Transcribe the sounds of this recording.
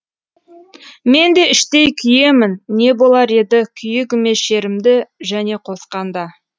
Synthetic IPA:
me̞nd̪e̞ɪʃt̪e̞jkʲʰʏje̞mɪnːe̞bo̞lˠɑɾe̞d̪ɪkʲʰʏjɪkʲɪme̞ʃe̞ɾɪmd̪ɪʒæne̞qʰo̞sqɑnd̪ɑ

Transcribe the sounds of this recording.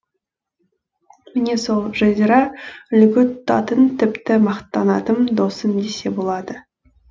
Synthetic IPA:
mɪne̞solˠʒɑzʲeɾɑʏlɡʲɪt̪ʊt̪ːɑ̰t̪ənt̪ʰɪpt̪ɪmɑqt̪ːɑnɑt̪əmd̪o̞sənd̪e̞se̞bo̞lˠɑd̪ə

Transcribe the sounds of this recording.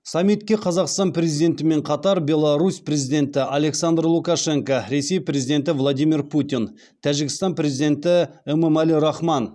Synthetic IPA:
sɑmːit̪̚kʲːe̞qʰɑzɑqst̪ɑnpɾe̞zijd̪ʲe̞nt̪ɪme̞ɴqʰɑt̪ɑɾbʲe̞lˠɑɾuspɾe̞zijd̪ʲe̞nt̪ɪʔale̞ksand̪rlˠukɑʂe̞ŋkaɾe̞se̞jpɾe̞zid̪e̞nt̪̬ɪvlˠad̪ijmirput̪in | t̪ʰæʒɪɡʲɪst̪ɑnpɾe̞zid̪e̞nt̪ɪeməmæliɾɑχmɑn

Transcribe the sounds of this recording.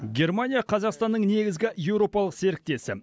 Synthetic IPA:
ɡʲe̞rmanʲijaqʰɑzɑqst̪ɑnːəɴne̞ɡʲɪzɡʲɪje̞wɾo̞pɑlˠəqse̞ɾɪk̚t̪e̞sɪ

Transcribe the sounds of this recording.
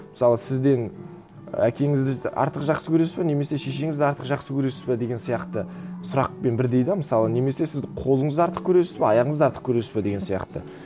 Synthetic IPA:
mə̥sɑlˠəsɪzd̪e̞n | ækʲe̞ŋɪzd̪ɪɪʔɑ̰ɾt̪əqʒɑqsəkʲʰɵɾe̞sspɪne̞me̞se̞ʃe̞ʃe̞ŋɪzd̪ɪɑɾt̪əqʒɑqsəkʲʰɵɾe̞sɪ̥spɪd̪e̞ɡʲe̞nsijɑqt̪əsʊɾɑq̚pe̞nbɪɾd̪e̞jd̪ɪməsɑlˠəne̞me̞se̞sɪzd̪ɪqʰo̞lˠəɴəzd̪ɑɾt̪ə̥q̚kʲʰɵɾe̞sɪ̥spɪɑjɑʁəɴəzɑɾt̪ə̥q̚kʲʰɵɾe̞sɪ̥spɪd̪e̞ɡʲesijɑ̰qt̪ə

